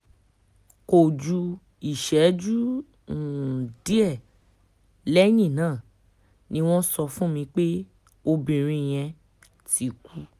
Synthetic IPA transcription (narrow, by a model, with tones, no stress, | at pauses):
ko˨d͡ʒu˧ | i˨ʃɛ˨˦d͡ʒu˦˨ | di˦ɛ˦˨ | lɛ˦jĩ˦˨nãː˦˨ | nĩ˧˦w̃ɔ̃˦sɔ˧fũ˦mĩ˧k͡pe˦ | o˧bĩ˨ɾ̃ĩ˧˨j̃ɛ̃˧ | ti˧˦kʰu˦